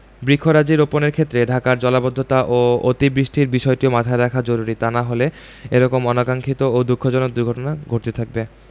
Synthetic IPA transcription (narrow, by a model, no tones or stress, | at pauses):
bɾikʰːoɾad͡ʑiɾoponeɾkʰet̪ːɾeɖʱakaɾd͡ʑɔlabod̪ʱːot̪aʔoot̪ibɾiʃʈʰiɾbiʃɔeʈiomat̪ʰaeɾakʰad͡ʑoɾuɾit̪anaɦole | eɾɔkomɔnakaŋkʰit̪ood̪ukʰːod͡ʑɔnok̚d̪uɾɡʱɔʈonaɡʱoɾt̪et̪ʰak̚be